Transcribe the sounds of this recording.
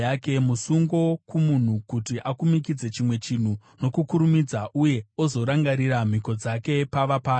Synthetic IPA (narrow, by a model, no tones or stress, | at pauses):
ake̞musuŋɡo̞kumun̤ukutiʔakumikid͡ze̞t͡ʃimwe̞t͡ʃin̤u | no̞kukuɾumid͡zaʔuje̞ozo̞ɾaŋɡaɾiɾam̤iko̞d͡zake̞paʋapaː